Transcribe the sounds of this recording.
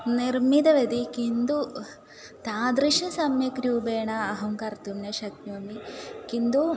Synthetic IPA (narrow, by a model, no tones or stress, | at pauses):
niɾmid̪ɐʋɐd̪ikind̪u | t̪aːd̪ɾiʃɐsɐmjɐkɾjuːbeːɳɐːɦɐŋkɐɾt̪umnɐʃɐk̚t̪ʋɐmikind̪u